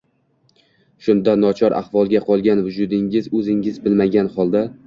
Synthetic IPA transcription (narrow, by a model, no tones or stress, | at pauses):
ʃʊnd̪anɒt͡ʃʰɒɾʔa̰hvɒlˠɡʲaqʰɒlˠɡʲanvʊd͡ʒʊd̪ɪŋɪzɵzɪŋɪzbɪlmaɡʲanhɒlˠd̪a